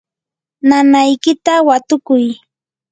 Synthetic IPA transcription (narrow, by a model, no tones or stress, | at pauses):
nanajkɪt̪awat̪ʊkʊj